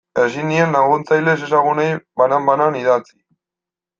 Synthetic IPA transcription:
esinienlaɣunt͡sajle̞s̬e̞s̬aɣunejbanambananiðat͡si̥

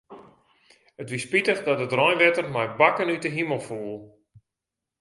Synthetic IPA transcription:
ətʋispitəχdɔtdədrɔjnʋɛtərmɛjbakənytəɦiməlˠfuːlˠ

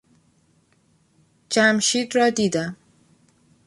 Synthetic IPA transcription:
d͡ʒæmʃiːd̪ɾɒːd̪iːd̪æm

